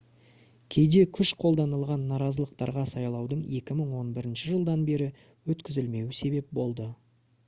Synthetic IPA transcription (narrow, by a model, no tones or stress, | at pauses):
kʲʰe̞jd̪e̞kʲʰʏʃqʰo̞lˠd̪ɑnəlˠʁɑnːɑɾɑzəlˠəq̚t̪ɑɾʁɑsɑjlˠɑwd̪əɴe̞kʲɪməɴwo̞nbɪɾɪnʃɪʒəlˠd̪ɑnbe̞ɾɪ | wɵt̪kʲɪzɪlme̞wɪse̞be̞p̚bo̞lˠd̪ə